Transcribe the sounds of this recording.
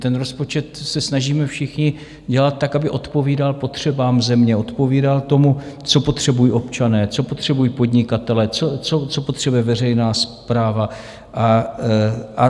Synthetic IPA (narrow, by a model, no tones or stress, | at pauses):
t̪ɛnɾo̞spo̞t͡ʃɛt̪sɛsnaʒiːmɛfʃɪxɲɪ | ɟɛlat̪̚t̪ːakabɪʔo̞t̪po̞viːdalpo̞t̪r̝̥ɛbaːmzɛmɲɛo̞t̪po̞viːdalt̪o̞mut͡so̞po̞t̪r̝̥ɛbujiːʔo̞pt͡ʃanɛːt͡so̞po̞t̪r̝̥ɛbujiːpo̞dɲɪkat̪ɛlɛt͡sot͡sot͡so̞po̞t̪r̥ɛbujɛvɛr̝ɛjnaːspɾaːva | ʔa | ʔa